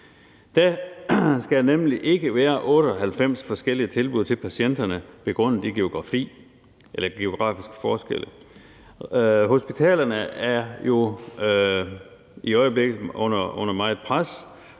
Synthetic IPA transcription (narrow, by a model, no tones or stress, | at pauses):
d̥æ | sɡ̥ænemliʔe̝ɡ̥əʋæːɐʔɔ̽ːɾəɒ̽ɦælfem̰sfɒ̽sɡ̥el̰iət͡sʰe̝lb̥uðˠt͡sʰe̝lpʰæɕen̰d̥ɐnəʋ̥e̝ɡ̥ʁɔ̽n̰ð̩ˠd̥iɡ̥e̝o̝ɡ̥ʁɑ̈fḭː | elɐɡ̥e̝o̝ɡ̥ʁɑ̰̈ːfisɡ̥ə̥fɒːsɡ̥ḛlə | ɦo̝sb̥it͡sʰɛ̰ːlɐnəæɐjo̝ | iɒ̽ɪəble̝ɡ̥ð̩ˠɔ̽n̰ɐɔ̽n̰ɐmɑ̈ɪe̝d̥pʰʁas